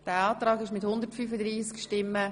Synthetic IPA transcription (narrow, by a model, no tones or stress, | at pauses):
d̥ɛɑːt̪ɾɑːɡɪʃmɪthʊndərtfyfədɾiːskʃtɪmːə